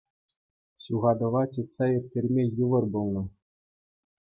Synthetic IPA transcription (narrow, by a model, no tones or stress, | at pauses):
ɕuʁɑd̪ɤ̆ʋɑt͡ɕɯt̪sɑerʲtʲerʲmʲejɯʋɤ̆rbulˠnɤ̆